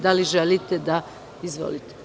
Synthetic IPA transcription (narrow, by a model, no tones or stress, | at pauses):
d̪aliʒelit̪ed̪a | izʋo̰lit̪e̥